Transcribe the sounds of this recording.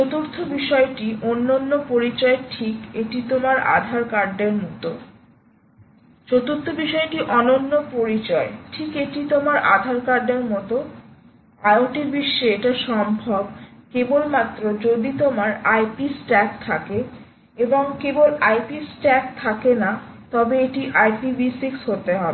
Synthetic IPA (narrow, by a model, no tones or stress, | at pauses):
t͡ɕot̪uɾt̪ʰobiʃɔeʈiʔonːonːopoɾit͡ɕɔeʈʰikeʈit̪omaɾa̰d̪ʱaɾkaɾɖeɾmɔt̪o | t͡ɕot̪uɾt̪ʰobiʃɔeʈiʔɔnonːopoɾit͡ɕɔeʈʰikeʈit̪omaɾʔa̰d̪ʱaɾkaɾɖeɾmɔt̪o | aeoʈiɾbiʃːeeʈaʃɔmbʱɔbkebolmat̪ːɾod͡ʑod̪it̪omaɾajpisʈɛk̚t̪ʰake | eboŋkebolajpisʈɛk̚t̪ʰakenat̪ɔbeeʈiʔajpibisiksɦot̪eɦɔbe